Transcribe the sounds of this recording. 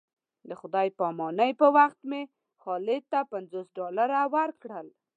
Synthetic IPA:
d̪əxʊd̪ɑjpɑmɑnəjpəwaxt̪me | xɑlɪt̪ːapanzosɖɑlaɾawaɾkɽəl

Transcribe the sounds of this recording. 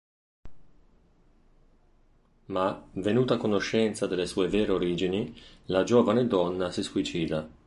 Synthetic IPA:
mavenuːt̪akonoʃːɛnt̪sad̪elːesuːeveːɾeoɾiːd͡ʒinilad͡ʒoːvaned̪ɔnːasisuit͡ʃiːd̪a

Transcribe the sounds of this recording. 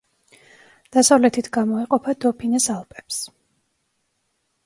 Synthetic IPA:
d̪̥asavlɛt̪ʰit̪ʰɡamɔiqʼɔpʰad̪ɔpʰinɛsalˠpʼɛ̥ps

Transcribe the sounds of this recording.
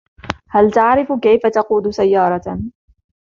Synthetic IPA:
halt̪aʕɾɪfkajfat̪ɑquːd̪ʊsajːɑːɾˤɑ

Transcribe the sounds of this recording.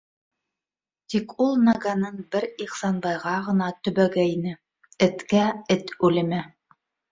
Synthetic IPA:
t̪ikulˠnɑɡanɤnbɘɾiqsɑnbɑjʁɑʁɤ̆nɑt̪ɵ̆βæɡæinɘ | ɘ̆t̪kæɘt̪ʉlɘ̆mæ

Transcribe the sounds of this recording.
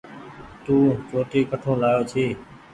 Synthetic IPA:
t̪ũːt͡ʃoːʈ̪iːkəʈʰõːlaːjoːt͡ʃʰiː

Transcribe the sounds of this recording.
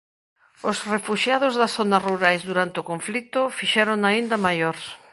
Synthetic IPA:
osrefuʃjaðozðɐsθonɐruɾajzðuɾant̪ɪokõɱflit̪ʊfiʃɛɾoŋaind̪ɐmajoɾs

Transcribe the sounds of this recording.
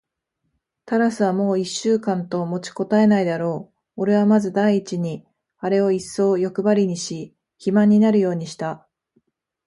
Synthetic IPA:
t̪aɾasɨβamo̞ːiɕːɨːkãnt̪o̞mo̞t͡ɕi̥ko̞t̪ae̞naid̪aɾo̞ː | o̞ɾe̞β̞amazɨd̪aiːt͡ɕiɲ̟i | aɾe̞o̞isːo̞ːjo̞kɯ̟baɾʲiɲ̟iɕi | çimãɲ̟ːinaɾɯ̟jo̞ːɲ̟iɕi̥t̪a

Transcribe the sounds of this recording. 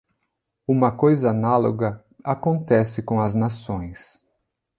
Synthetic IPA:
ũmɐkojzɐanalo̰ɡɐ | akõnt̪ɛsɪkõw̃ɐznasõj̃s

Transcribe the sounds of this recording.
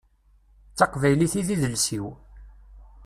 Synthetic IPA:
t͡sːɑqvæjliθiðiðəlsiw

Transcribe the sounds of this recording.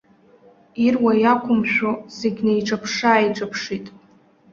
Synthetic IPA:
irwajakʷʰʊmʃᶣozeɡʲnajʈ͡ʂʼapʰʂaːjʈ͡ʂʼapʰʂitʼ

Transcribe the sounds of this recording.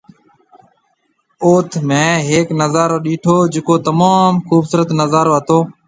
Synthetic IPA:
oːt̪ʰmẽːɦeːknəzaːɾoːɗiːʈʰoːd͡ʒɪkoːt̪əmaːmxuːbsəɾət̪nəzaːɾoːɦət̪oː

